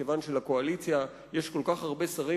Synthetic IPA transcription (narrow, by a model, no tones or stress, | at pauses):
evanʃelako̞alit͡sja | je̞ʃko̞lkaχhaʁbesaʁi